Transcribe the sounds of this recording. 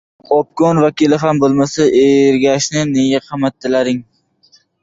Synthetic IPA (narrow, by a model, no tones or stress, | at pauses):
ɒp̚kɒnvakʲɪlɪɦambolˠmasaʔeɾɡʲaʃnɪneɡʲaqʰɑmat̪ʰːɪlaɾɪŋ